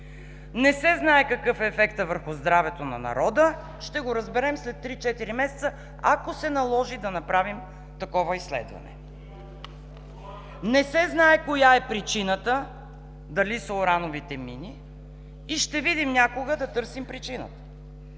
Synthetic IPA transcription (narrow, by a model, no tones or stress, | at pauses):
nɛsɛznaɛkɐkɤfɛːfɛkt̪əvəɾxʊzd̪ɾavɛt̪onɐ̰nɐ̰ɾɔd̪ə | ʃt̪ɛɡoɾɐzbɛɾɛmslɛt̪ːɾit͡ʃɛt̪iɾimɛsɛ̥t̪sə | akosɛnɐlˠɔʒid̪ɐnɐpɾavim | t̪ɐkɔvɐisːlɛ̰d̪vɐ̰nɛ̰ | nɛsɛznaɛkojaɛpɾit͡ʃinət̪ə | d̪ɐlisəoɾanovit̪ɛminiː | ʃt̪ɛvid̪imnʲakoɡəd̪ɐt̪ɤɾsimpɾit͡ʃinə̰t̪ə̥